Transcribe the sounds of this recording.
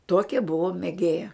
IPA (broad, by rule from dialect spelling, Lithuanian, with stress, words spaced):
ˈtuɔkʲɛ ˈbʊʋoː mʲeːˈɡʲeːjɛ